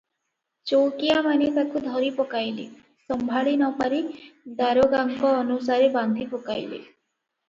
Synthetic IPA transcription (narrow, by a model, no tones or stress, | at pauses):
t͡ʃowkijamanet̪akud̪ʱɔɾipɔkajle | sɔmbʱaɭinɔpaɾid̪aɾoɡaŋkɔːnusaɾeband̪ʱipɔkajlḛ